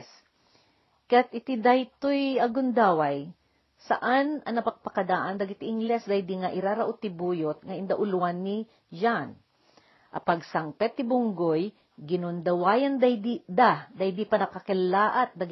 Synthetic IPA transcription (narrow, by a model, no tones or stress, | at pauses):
s | kat̪̚ʔɪt̪ɪd̪ajt̪ojɐɡʊnd̪aːwaj | sa̰ʔanɐnɐpak̚pɐkɐd̪aʔand̪aɡɪt̪ɪʔɪŋɡlɛsd̪ajd̪iŋaʔɪɾaɾaʔʊt̪ɪbuːjot̪̚ŋɐɪnd̪aʔʊlwanːɪ | d͡ʒan | ʔɐ̰paɡsaŋpɛt̪ːɪbʊŋɡoj | ɡɪnʊnd̪ɐwaːjand̪ad̪d̪ad̪ajd̪ipanɐkakɛlaːʔat̪̚d̪ɐ